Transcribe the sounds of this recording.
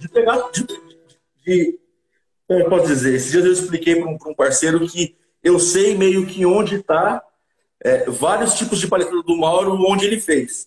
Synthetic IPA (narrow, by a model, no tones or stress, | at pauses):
d͡ʒɪt̪eɡasʊd͡ʒiɪd͡ʒd͡ʒɪ | d͡ʒɪ | kõmɛpɔsʊd͡ʒizeɾesɪd͡ʒiɐzewɪsplikejpɾõpɾõũpaɾseɾʊkʰɪ | ewsejmejʊkɪõd͡ʒɪt̪a | ɛvaɾiʊst͡ʃipʊzd͡ʒɪpalet̪ĩnɐd̪ʊmawɾʊõd͡ʒɪelɪfejs